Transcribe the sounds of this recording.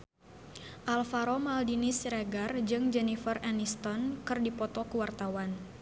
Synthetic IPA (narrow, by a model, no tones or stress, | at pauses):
ʔalfaɾɔmaldinisɾaɡard͡ʒɨŋd͡ʒɛnifəranist̪ɔnkɨrdipɔt̪ɔkəwart̪awan